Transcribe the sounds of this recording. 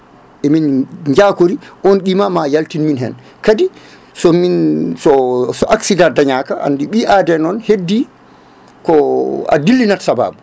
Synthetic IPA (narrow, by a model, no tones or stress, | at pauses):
ʔɛminɲd͡ʒaːkoɾiʔɔnɗimamajaltinminɦɛ̰n | kadi | sɔminsɔsɔʔaksidadaɲaːkaʔa̰ndiɓiʔadɛnɔnhedːi | kɔa̰dilːinatsaba̰ːbu